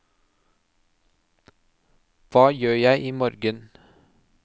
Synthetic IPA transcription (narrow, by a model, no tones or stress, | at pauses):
ʋɑːjøːjæɪʔiːmoːɾɡən